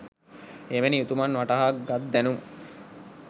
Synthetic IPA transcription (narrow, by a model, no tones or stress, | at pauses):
emeniut̪umɐnʋaʈɐɦaːkɡat̪̚d̪ænumu